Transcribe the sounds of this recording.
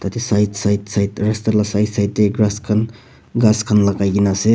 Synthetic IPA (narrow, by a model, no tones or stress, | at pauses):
t̪atisajtsajtsajtɾastaɾlasajtsajt̚ːeɡɾaskʰan | ɡaskʰanlakajɡinase